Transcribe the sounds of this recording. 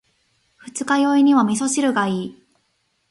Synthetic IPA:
ɸɯ̟t͡sɨ̥kajo̞iɲ̟iβamʲis̬o̞ɕiɾɯ̟ɡaiː

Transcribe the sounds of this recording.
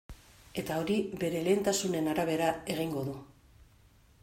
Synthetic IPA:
e̞t̪ao̞ɾibe̞ɾe̞le̞ːnt̪asune̞naɾaβ̞e̞ɾae̞ɣ̞iŋɡo̞ðu

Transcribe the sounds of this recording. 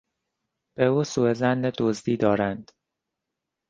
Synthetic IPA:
b̥euːsuːezænːed̪ozd̪iːd̪ɒːɾænd̪̥

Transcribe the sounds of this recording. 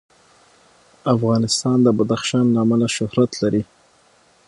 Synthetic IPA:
afɣɑnɪst̪ɑnd̪əbad̪axʃɑnlaːmalaʃʊhɾat̪laɾi

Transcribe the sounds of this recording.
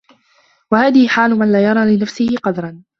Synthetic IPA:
wahaːðɪhɪħaːlʊmanlaːjɑɾˤɑːlɪnafsɪhɪqɑd̪ɾˤɑn

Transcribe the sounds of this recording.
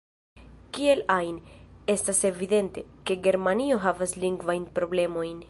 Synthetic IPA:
kie̞lajne̞stase̞vid̪e̞nte̞ke̞ɡe̞ɾmanio̞ɦavasliŋɡvajnpɾo̞ble̞mo̞jn

